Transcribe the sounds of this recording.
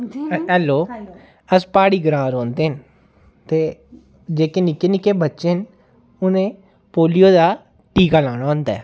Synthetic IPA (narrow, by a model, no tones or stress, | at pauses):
ɦɛːloː | əspaːɽiːɡəɾãːɾõːnd̪eːɦən | t̪eː | d͡ʒeːkenɪkenɪkeːbətːʃeɦən | ʊnẽː | poːlijoːd̪aː | ʈiːkaːlaːɽ̃aːɦõːnd̪aːɛː